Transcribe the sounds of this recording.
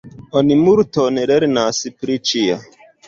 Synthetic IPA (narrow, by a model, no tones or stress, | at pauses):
onimuɾtoneleɾnasipɾit͡ʃia